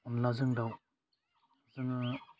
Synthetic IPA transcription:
unlazɯŋdaw | zɯŋ

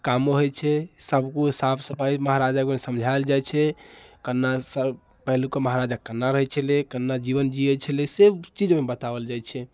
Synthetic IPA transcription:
kamoɦot͡ʃʰɛsəbʱkuɦisabsəpaiməɦaɾad͡ʒakemesəmd͡ʒʱaeld͡ʒajt͡ʃʰɛkənːasə | pəɦlukeməɦaɾad͡ʒakənːaɾəɦɛt͡ʃʰəlekənːad͡ʒiβənd͡ʒiet͡ʃʰəleset͡ʃid͡ʒmebət̪abəld͡ʒajt͡ʃʰɛ

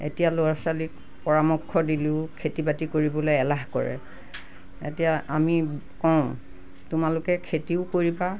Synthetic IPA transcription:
ḛtijaloasalik̚ | pɔɹamɔkʰːɔdiliʊkʰetibatikoɹibɔlojɛlaɦkɔ̰ɹɛ̰ | ḛtijaami | kɔʊ̃ | tʊmalʊkɛkʰetiʊkoɹiba

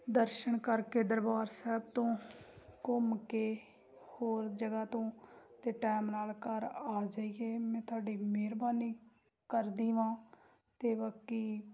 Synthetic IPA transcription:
d̪əɾʃəɳkəɾkeːd̪əɾbaːɾsɛːb̚t̪õːkʊmkeː | hoːɾd͡ʒəɡaːt̪õːt̪eːʈɛːmnaːlkəɾaːd͡ʒaːiːeːmɛ̃ːt̪ʰʊaːɖiːmeːɾbaːniː | kəɾd̪iːʋãː | t̪eːʋakːiː

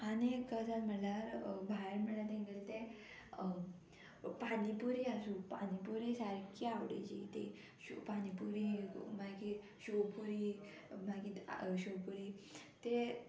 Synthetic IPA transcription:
anikəd͡zatm̤əɳlaɾbʱaɾm̤əɳlat̪ẽŋɡəlt̪e | panipuɾiasuːpanipuɾisaɾkʰiawɽḛd͡ʑḭt̪e | upanipuɾimaki | ɕopuɾi | makiɕopuɾiːt̪e

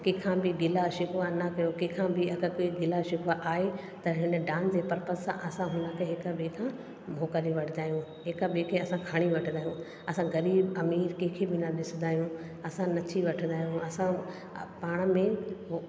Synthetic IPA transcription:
kẽkʰãbɪɡɪlaʃɪkʋanɐkɐjokẽkʰãbɪɐɡəkoːiɡɪlaʃɪkʋaʔaːɦe | t̪ɐɦɪn̆ɖãːnd͡ʑeːpɐɾpə̃nsãʔɐsãɦũːnãkʰeɦɪkabekʰã | moːkɐlĩʋɐʈʰnd̪aːɦjũ | ɦɪkabekʰeɐsãkʰaɽ̃iʋɐʈʰə̃nd̪aːɦjũ | ɐsãɡɐɾiːbɐmiːɾkẽːkʰebɪnaɗɪsnd̪aːɦjũ | ɐsãnɐtʰiʋɐʈʰə̃nd̪aːjũɐsã | paːɽ̃mẽ

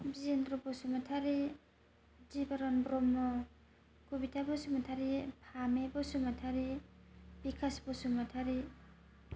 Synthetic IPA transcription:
biendɾɔbɔsumatʰaɾi | d͡ʒibaɾɔnbɾɔmːɔ | kubitʰabɔsumatʰaɾipʰamebɔsumatʰaɾi | bikʰasbɔsumatʰaɾi

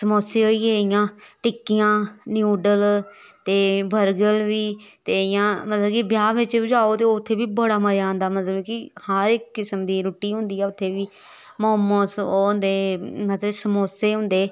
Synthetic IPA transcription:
səmoːseːɦoiːeːɪjãːʈɪkːɪjãːnjuːɖəlt̪eːbəɾɡəlʋiːt̪eːɪjãːmət̪ləbkɪbjaːʋɪt͡ʃbɪd͡ʒaːoːt̪eːt̪ʰːeːbiːbəɽaːməɾaːnd̪aːmət̪ləbkɪhaɾɪkːɪsəmd̪iːɾuːʈiːɦʊ̃nd̪iːɛːʊt̪ʰːeːʋiː | mʊɦəmːəsoːnd̪eːmət̪ləbsəmoːseːɦʊ̃nd̪eː

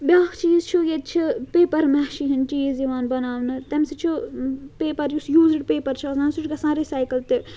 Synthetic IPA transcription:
bjaːkt͡ʃiːzt͡ʃʰujet̪̚t͡ʃʰipeːpɐɾmɛʃiɦinʈiːziʋaːnbɐnaːʋnɨt̪ɛmsit͡ʃʰipeːpɐɾjusjuːziɖpeːpɐɾt͡ʃʰiɐznãːnsuʈkɐsãːɾisaːjkɐlt̪e

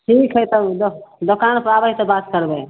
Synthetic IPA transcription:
ʈʰikɦəjt̪əd̪od̪okanpɾabəit̪ɔbat̪kəɾbe

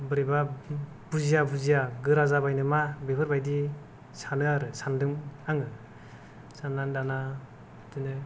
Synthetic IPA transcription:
bɯɾeba | b̥uzijabuzijaɡɯɾazabajnɯmabepʰɯɾbajdi | sanɯaɾɯsandɯŋaŋɯ | sanːandana | dɯnɯ

